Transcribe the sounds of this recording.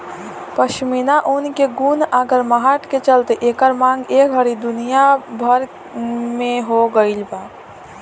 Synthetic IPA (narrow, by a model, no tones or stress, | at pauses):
pəʃminaʔunkeɡunaːɡəɾməɦaʈket͡ʃəlt̪eʔekəɾmãŋɡeːkɦəɾid̪ʊnijabʱəɾ | mẽɦoɡəilba